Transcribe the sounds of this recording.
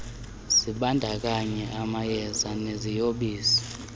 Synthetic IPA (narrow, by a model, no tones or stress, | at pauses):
siɓandʱak̬aɲɛʔamajɛzanezijoɓiːsi̥